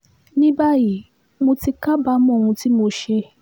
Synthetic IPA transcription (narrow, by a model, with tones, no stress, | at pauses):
nĩ˦ba˦ji˨ | mo˧ti˧ka˦ba˦mɔ̃˦˨hũ˧ti˦mo˧ʃe˧